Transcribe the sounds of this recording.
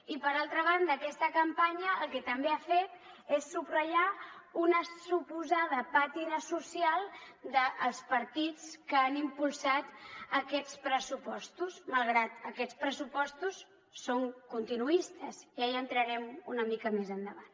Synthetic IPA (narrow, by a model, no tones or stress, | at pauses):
ipəɾalˠt̪ɾəβ̞and̪əːkɛst̪əkəmpaɲəːlˠkɛt̪əmbeafet̪̚ | esːubrəʎaunəsupuzað̞əpat̪inəsusialˠd̪əʔːlˠspəɾt̪it͡skəanimpulˠsat̪əkɛt͡spɾəsupɔst̪usməlˠɣɾat̪əkɛt͡spɾəsupɔst̪usː | oŋkunt̪inuist̪əziaiənt̪ɾəɾɛmunəmikəmezənd̪əβan